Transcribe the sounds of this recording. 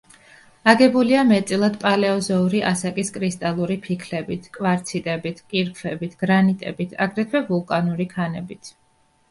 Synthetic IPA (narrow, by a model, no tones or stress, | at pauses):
aɡɛbuliamɛt̪sʼilˠad̪pʼalɛɔzɔuɾiʔasakʼiskʼɾist̪ʼalˠuɾipʰikʰlɛbit̪ʰkʼvaɾt̪sʰit̪ʼɛbit̪ʰkʼiɾpʰfvɛbit̪ʰɡ̥ɾanit̪ʼɛ̰bit̪ʰaɡɾɛt̪ʰvɛvulˠkʼanuɾikʰanɛbit̪ʰ